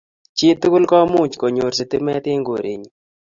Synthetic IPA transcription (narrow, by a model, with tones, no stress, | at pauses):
t͡ʃɪ˦t̪u˦kʊ˦lkɔ˦mu˦˨t͡ʃko˨ɲo˨rsɪ˨t̪ɪ˦mɛ˦t̪ɪ˦ŋɡo̰˨ɾʔḛ˨ɲ